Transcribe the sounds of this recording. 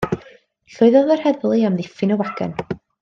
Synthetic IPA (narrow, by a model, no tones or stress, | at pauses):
ɬʊɨðɔðɛrhɛðlˠɨamðɪfɪnɔwaɡɛ̰n